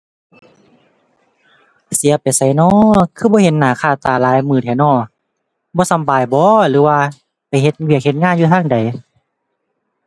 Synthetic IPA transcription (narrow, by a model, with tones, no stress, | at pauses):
si˨˦ɐpa˨jsa˧˩˦jnɔː˧˩kʰɯː˧˩bɔː˧˦he˨˦nːaː˨˩˦kʰaː˧˩t̪aː˨˩laː˨˦jmɯː˧˩t̪ʰɛ˨˧˩nɔː˧˩ | bɔː˧˦sa˨˦mbaː˨jbɔː˧˦lɯː˨˦waː˧ | pa˨˩jɦe˧t̪̚wi˧˨ək̚he˧˦t̪̚ŋaː˧˥˨njuː˧t̪ʰaː˧˥˨ŋda˨j